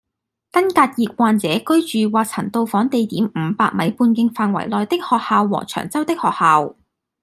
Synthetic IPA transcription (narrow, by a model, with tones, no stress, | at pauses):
kɐ˥nkaː˧t̚jiː˨˧k̚waː˨˧nt͡sɛː˨˥kɵ˥ɥt͡ʃyː˨waː˨k̚t͡sʰɐ̰˨˩nt̪o˧wfɔː˨˥ŋt̪e˨jt̪iː˨˥mm̩˨˧paː˧k̚mɐ˨˥jpuː˧nkɪ˧ŋfaː˨nwɐ̰˨˩jlɔː˨jt̪ɪ˥k̚hɔː˨k̚haː˨wːɔ̰ː˨˩t͡ʃʰœ̰ː˨˩ŋt͡sɐ˥wt̪ɪ˥k̚hɔː˨k̚haː˨˧w